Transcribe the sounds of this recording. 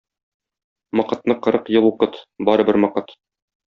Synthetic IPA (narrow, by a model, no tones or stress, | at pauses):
mɒqɤ̆t̪̚nɤqɤ̆ɾɤqjɤlˠuqɤt̪bɒɾɤ̆bɘɾmɒqɤt̪